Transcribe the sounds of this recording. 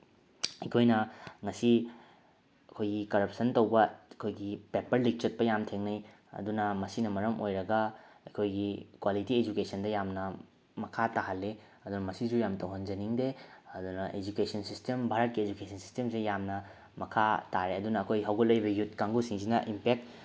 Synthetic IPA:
ɐjkʰojnɐŋɐsi | ɐkʰojɡikɐɾɐp̚sɐntɐwbɐkʰojɡipepɐɾlik̚t͡ʃɐt̚pɐjamtʰeŋnɐj | ɐ̰dunɐmɐsinɐmɐɾɐmojɾɐɡɐɐjkʰojɡikwalitied͡ʒukesɐndɐjamnɐ | mɐkʰataɦɐlːe | ɐdunɐmɐsizujamtɐwɦɐnd͡ʒɐniŋdeɐdunɐʔed͡ʒukesʰɐnsistembʱaɾɐt̚kied͡ʒukesʰɐnsi̥stemsejamnɐ | mɐkʰataɾeɐdunɐːkʰojɦawɡɐlɐjbɐjutkaŋɡusiŋzinɐʔimpek̚t

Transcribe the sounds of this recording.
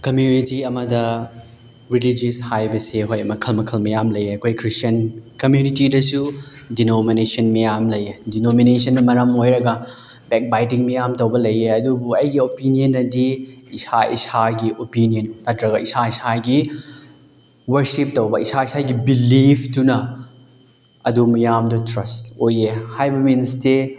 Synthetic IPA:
kɐmjunitiɐmɐdɐ | ɾilid͡ʒishajbɐseɦojɐmɐkʰɐlmɐkʰɐlmɐjamlɐjɐkʰojkɾistɐnkɐmjunitidɐsudinominesɐnmijamlɐjedinominesɐnːɐmɐɾɐmojɾɐɡɐ | bɛk̚bajtiŋmijamtowbɐlɐjeɐdubuɐjɡiopinijɐnɐdiisaḭsaɡiʔopinijɐnːɐtɾɐɡɐisaisaɡi | wɐɾsip̚tɐwbɐisaisaɡibilipʰtunɐ | ɐdumijamdutɾɐstojehajbɐminste

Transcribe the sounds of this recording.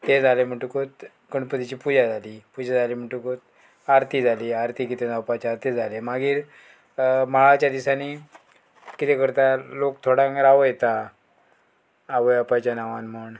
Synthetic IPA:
t̪ed͡zʱalem̤əʈukot̪̚ | kəɳpət̪it͡ɕiːpud͡ʑad͡zʱaliːpud͡ʑad͡zʱalim̤əɳʈukot̪̚ | aɾt̪ʰiːd͡zʱaliaɾt̪ikit̪ed͡zapat͡ɕat̪ed͡zʱalemaɡiːɾ | maɭat͡ɕjad̪isani | kit̪ekəɾt̪alokt̪ʰoɽãŋɾaʋojet̪a | ʋəjapat͡ɕjanaʋanm̤əɳ

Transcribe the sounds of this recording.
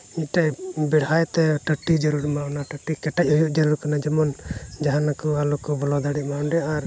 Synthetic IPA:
ic̪̚ˀʈajbɛɽɦajt̪ɛʈəʈid͡ʒəɾuɾmawnaʈəʈikɛʈac̚ɦujuʔd͡ʒəɾuɾkanad͡ʒɛmɔnd͡ʒaɦanakualukɔbɔlɔd̪aɽiʔmawnɖɛaɾ

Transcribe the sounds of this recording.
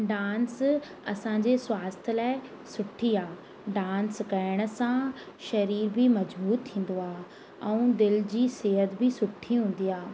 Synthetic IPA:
ɖaːns | ɐsãd͡ʑeswaːst̪ʰəlaːɪ | sʊʈʰiaː | ɖãːnskɐɪɽ̃̆sã | ʃɐɾiːɾbʱimɐd͡ʑbuːɾt̪t̪ʰːĩːn̆d̪oaː | ɛ̃ũd̪ɪld͡ʑiːseːɦət̪bʱɪsʊʈʰːiɦũːn̆d̪iaː

